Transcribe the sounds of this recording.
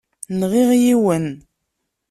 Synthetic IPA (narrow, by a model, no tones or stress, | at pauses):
nʁiʁjiwən